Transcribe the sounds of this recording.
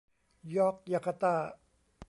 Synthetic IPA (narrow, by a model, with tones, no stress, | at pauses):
jɔː˦˥k̚ja˧˩kʰa˧t̪aː˥˩